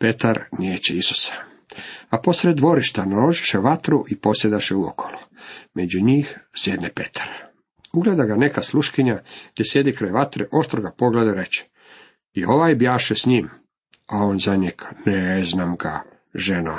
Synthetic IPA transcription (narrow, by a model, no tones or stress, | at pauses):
pet̪aɾneːt͡ɕeisu̥sḁ | apo̞sɾed̪ːʋo̞ɾiʃt̪analo̞ʒi̥ʃeʋat̪ɾuʔipo̞sjed̪aʃeuo̰kʰo̥lumed͡ʑuɲiːxsjed̪nepet̪ʰḁɾ | uɡled̪aɡane̞kasluʃkiɲaɡ̥d̪jesje̞d̪ikɾajʋat̪ɾeʔo̞ʃt̪ɾoɡapo̞ɡled̪aɾet͡ɕɛ̥ | io̞ʋajbjaːʃesɲiːm | ao̞nzaɲeɡneznaːmɡa̰ | ʒeno